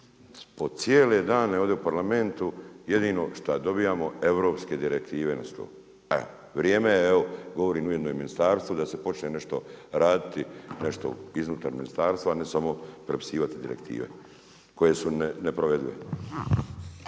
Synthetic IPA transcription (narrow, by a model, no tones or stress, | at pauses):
po̞t̪sjeːle̞d̪aːneoʋd̪eupaɾlame̞nt̪uje̞d̪iːno̞ʃt̪ad̪o̞biːjaːmo̞e̞ʋɾo̞ːpske̞d̪iɾek̚t̪iːʋena̰st̪o̰ | ḛo | ʋɾjeːmeeoɡo̞ʋo̞ɾiːnuje̞d̪nojminist̪aːɾst̪ʋod̪ase̞po̞t͡ʃnene̞ʃt̪o̞ɾaːd̪it̪ine̞ʃt̪o̰iznuːt̪aɾminist̪aːɾst̪ʋaːnesamo̞pɾepi̥siːʋat̪id̪iɾe̞kt̪ḭːʋe̞̰ | ko̞je̞sunne̞pɾoʋe̞d̪ujḛ